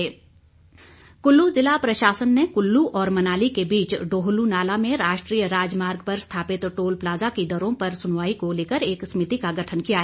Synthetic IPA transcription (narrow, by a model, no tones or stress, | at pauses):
ɛː | kʊlːuzɪlapɾɐʃaːsənːekʊlːuʔɔːɾmɐnaːlikebiːt͡ʃɖoːɦʊlunaːlamẽɾaːʃʈɾiːjəɾaːd͡ʒmaːɾɡpɐɾst̪ʰaːpɪt̪ʈoːlplaːzakid̪ɐɾõpɐɾsʊnʋaːikoleːkəɾeːksmɪt̪ikaɡɐʈʰənkijaɦɛː